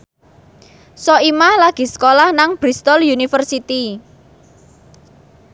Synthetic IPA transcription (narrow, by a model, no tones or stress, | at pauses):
sɔimahlaɡ̥i̤sə̥kolahnaŋb̥ɾist̪ɔljunifərsit̪i